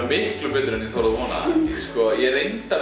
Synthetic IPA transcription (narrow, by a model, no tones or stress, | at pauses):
mɪhklʏpɪt̪ɾɛniθoɾaðvɔːna̰skɔjɛɾejnt̪a